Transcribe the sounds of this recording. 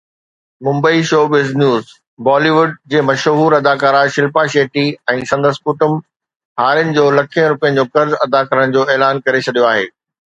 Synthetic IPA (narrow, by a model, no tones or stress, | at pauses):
mʊ̃mbəiʃoːʋɪznjuːz | bɔːliʋʊɖd͡ʑeːmɐʃɦuːɾɐd̪aːkaːɾaʃɪlpaʃeːʈiɛ̃ːsɐ̃nd̪əskʊʈʊm | ɦaːɾjənɪ̆d͡ʑoːlɐkʰijə̃ɾʊpijə̃nɪ̆d͡ʑoːkɐɾzɐd̪akɐɾəɽ̃̆d͡ʑoːɛːlaːnkɐɾet͡ɕʰɐɗijoaːɦḛː